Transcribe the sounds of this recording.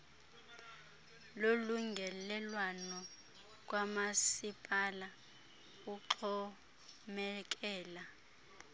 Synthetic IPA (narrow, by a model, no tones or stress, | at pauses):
loluŋɡʱɛlɛlwanɔ | k̬wamasipʼala | uǃʰɔ | mɛk̬ɛːla